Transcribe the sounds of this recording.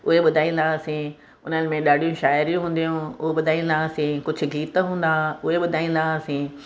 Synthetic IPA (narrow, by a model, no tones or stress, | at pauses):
ʊɦeɓʊd̪ʱaːĩːnd̪asĩ | ʊnənɪ̆mẽɗaːɖʱijũʃaːɪɾijũɦũːn̆d̪ijũʊɓʊd̪ʱaːĩːn̆d̪aəsĩkʊd͡ʑʱʊ̆ɡiːt̪ɦũːn̆d̪aʊɦeɓʊd̪ʱaːĩːnd̪asĩː